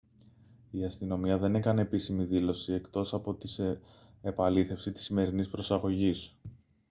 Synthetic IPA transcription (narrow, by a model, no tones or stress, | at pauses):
iɐst̪ino̞miɐðe̞nekɐne̞pisimiðilo̞sie̞kt̪o̞sɐpo̞t̪is | epɐliθe̞fsit̪i̥sːime̞ɾinispɾo̞sɐɣo̞ʝis